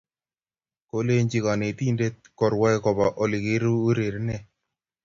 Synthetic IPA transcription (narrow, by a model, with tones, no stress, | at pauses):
ko˦le˦ɲd͡ʒi˨ka˨ne˨t̪i˦nde˦t̚kɔ˨ɾwa˦ɛ˦kɔ˨ba˨ʔɔ˨lɪ˨ke˦ɾu˦o˦ɾe˨ɾnɛ˦